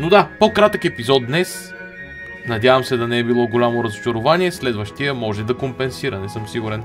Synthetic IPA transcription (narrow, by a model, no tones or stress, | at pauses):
nod̪apokɾat̪əkɛpizɔt̪d̪nɛs | nɐd̪ʲavəmsɛd̪ɐnɛɛbilˠɔɡolʲamoɾɐzʊt͡ʃɐɾʊvaniɛslɛd̪vəʃt̪ijɐmɔʒɛd̪ɐkompɛnsiɾɐnɛsɤmsiɡuɾɛn